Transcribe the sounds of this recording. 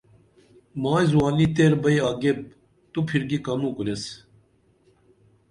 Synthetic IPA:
maːjzwaːlit̪eɾbɐjaːɡeb̚ | t̪upʰiɾɡikɐnũːkules

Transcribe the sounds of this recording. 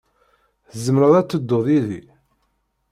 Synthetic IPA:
θəzəmɾəðˤæt͡sːəd̪ːoðˤiðḭ

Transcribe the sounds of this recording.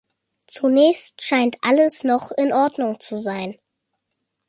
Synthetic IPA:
t͡sunɛːçstʃaɪntʔaləsnɔχɪnʔɔɐdnʊŋt͡suzaɪn

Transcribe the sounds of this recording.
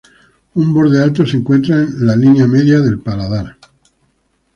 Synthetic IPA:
umbo̞ɾðe̞alt̪o̞se̞ŋkwe̞nt̪ɾaenlalinjame̞ðjaðe̞lpalaðaɾ

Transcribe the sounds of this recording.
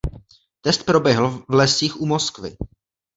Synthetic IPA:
t̪ɛst̪̚pɾo̞bjɛɦl̩vlɛsiːxʔumoskvɪ̰

